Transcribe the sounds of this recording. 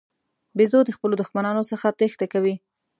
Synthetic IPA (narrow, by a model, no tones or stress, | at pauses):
bezod̪əxpəlod̪ʊxmanɑnosəxat̪ext̪akawi